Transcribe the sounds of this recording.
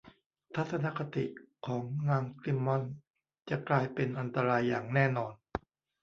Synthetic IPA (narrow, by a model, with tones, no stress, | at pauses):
t̪ʰa˦˥t̪sʰa˧na˦˥kʰa˧t̪ḭ˨˩ʔkʰɔː˩˦ŋːaː˧ŋkli˧˥mːɔ˧˩n | t͡ɕa˨˩klaː˧jpe˧nʔa˧nt̪a˧ɾaː˧jːaː˨˩ŋnɛː˥˩nɔː˧n